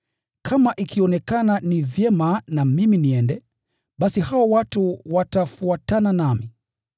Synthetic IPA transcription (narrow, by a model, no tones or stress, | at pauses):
kʰamaʔikʰiɔnɛkananivjɛmanamiminiɛndɛ | ɓasihaɔwatuwatafuatananami